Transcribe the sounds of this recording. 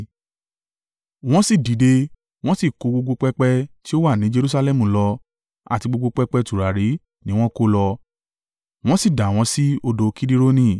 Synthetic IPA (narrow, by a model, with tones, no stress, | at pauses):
w̃ɔ̃˦si˦˨di˨˦de˧ | w̃ɔ̃˦si˦˨ko˧ɡ͡bo˧ɡ͡bo˧k͡pɛ˧k͡pɛ˧˦ti˦o˦wa˦˨nĩ˨˦d͡ʒe˧ɾu˦sa˧lɛ˦mũ˨lɔ˧ | a̰˨ti˧ɡ͡bo˧ɡ͡bo˧k͡pɛ˧k͡pɛ˧tu˨ɾa˨ɾi˨˦ | nĩ˦w̃ɔ̃˦ko˦lɔ˧ | w̃ɔ̃˦si˦˨da˨w̃ɔ̃˧˦si˦o˧do˧ki˦di˦ɾo˦nĩ˦˨